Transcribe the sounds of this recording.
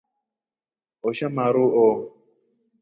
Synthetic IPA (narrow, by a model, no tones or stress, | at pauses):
ɔʃamaɾuʔɔ